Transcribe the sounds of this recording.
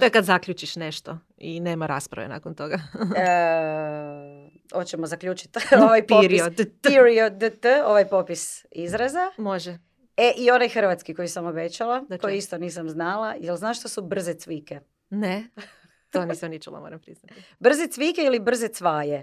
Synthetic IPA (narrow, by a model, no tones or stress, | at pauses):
t̪oekad̪zakʎʲut͡ʃiʃneʃt̪o | ineːmaɾaspɾa̰ʋena̰kont̪oɡa | ot͡ɕemozakʎuːt͡ʃi̥t̪ʋajpopɾiod̪iɾiod̪t̪o̞ʋajpo̞pis | izɾazamoʒɛ | eʔio̞najxr̩ʋat̪skiko̞jisamo̞bet͡ɕalako̞jist̪o̞niːsamznalajelˠznaːʃt̪osubr̩zet̪ʋike̞ | ne | t̪oniːsemnit͡ʃula̰moːɾampɾiznat̪ibr̩zet̪ʋikeilibr̩zet̪sʋaːje